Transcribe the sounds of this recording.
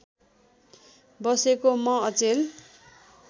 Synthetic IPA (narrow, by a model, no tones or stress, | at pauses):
bʌsekomʌʌt͡sel